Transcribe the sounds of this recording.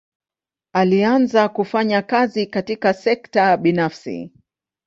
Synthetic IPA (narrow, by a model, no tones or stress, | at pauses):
alianzakufaɲakazikatikasɛktaɓinafsḭ